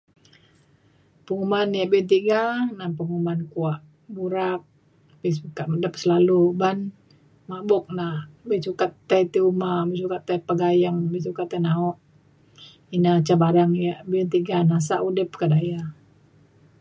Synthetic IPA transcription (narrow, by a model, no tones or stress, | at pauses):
pəŋumanjabiunt̪iɡanapəŋumankuaʔ | buɾak̚ | bɛs̬ukamədəp̚səlaluban | mabɔk̚nabɛsukat̪ːɛt̪iumabɛsukat̪ːɛpaɡajəŋbɛsukat̪ːɛnaɔʔ | inat͡ʃabaɾaŋjabiunt̪iɡanas̬aʔudɪp̚kadaja